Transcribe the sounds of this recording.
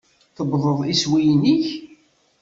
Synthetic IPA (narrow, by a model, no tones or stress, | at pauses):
θəbðˤəðˤiswijniç